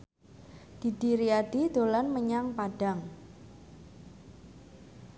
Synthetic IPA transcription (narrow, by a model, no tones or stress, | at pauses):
d̥i̤d̥iɾiad̥id̪̥o̤lanməɲaŋpaɖ̥aŋ